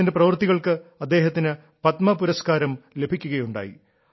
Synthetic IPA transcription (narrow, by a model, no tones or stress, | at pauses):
indeprɐʋɐrt̪iɣɐɭkɨɐd̪ːe̞ːɦɐt̪ːinɨ | pɐt̪mɐpuɾɐskaːɾɐmle̞bʱikʲːuɣɐjuɳɖa̰ːjḭ